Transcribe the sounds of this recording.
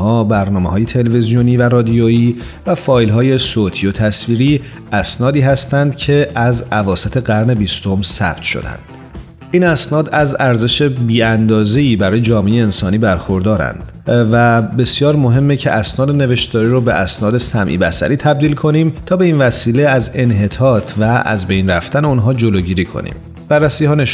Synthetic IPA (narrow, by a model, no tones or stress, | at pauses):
hɒːbæɾnɒːmehɒːje̞t̪ʰe̞levezijoniːværɒːd̪ijoiː | væfɒːjlɦɒːje̞soːt̪ʰiːjot̪ʰæsviːɾiː | ʔæsnɒːd̪iːɦæst̪ænd̪cʰe̞ʔæzævɒːset̪ʰe̞ɡæɾne̞bist̪o̞msæ̰b̥̚t̪ʃo̞̰d̪æ̰nd̪̥ | ʔiːnæsnɒːd̪æzæɾze̞ʃe̞biːænd̪ɒːze̞iːbæɾɒːje̞d͡ʒɒːmeejeːnsɒːniːbæɾxo̞ɾd̪ɒːɾæ̰nd̪̥ | væbe̞sjɒːɾmo̞ɦe̞mːecʰe̞ʔæsnɒːd̪ene̞ve̞ʃt̪d̪ɒːɾiɾobe̞ʔæsnɒːd̪e̞sæmʔḭːbæsæ̰ɾiːt̪ʰæb̚d̪iːlkʰo̞niːmt̪ʰɒːbe̞iːnvæsiːle̞æze̞nɦe̞t̪ʰɒːt̪ʰvæʔæ̰zbe̞jnræft̪æneunɦɒːd͡ʒo̞loɟiːɾiːkʰo̞̰nḭːm | b̥ærːæsiːhɒːneʃ